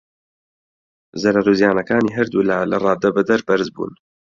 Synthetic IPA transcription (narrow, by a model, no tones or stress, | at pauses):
zɐɾaɾuːzjaːnɐkaːniːɦɐɾd̪ulalɐ̰rˤɑːd̪ɐbɐd̪ɐɾbɐɾzbṵːn